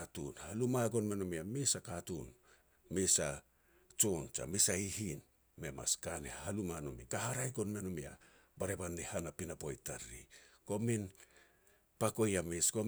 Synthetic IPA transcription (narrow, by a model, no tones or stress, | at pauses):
atṵnhalumaɡo̞nme̞nomiamisakatṵn | misa̰ | t͡ʃont͡ʃa̰misaihin | me̞ma̰skanḛhalumanomikaɦaɾajɡo̞nme̞nomia̰ | baɾebanːihanapinapo̞jtaɾiko̞min | pako̞jamisko̞